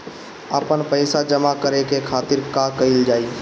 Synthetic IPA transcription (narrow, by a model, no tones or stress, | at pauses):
əpənpəɪsad͡ʒəmakəɾekekʰaːt̪ɪɾkakɐɪld͡ʒaːi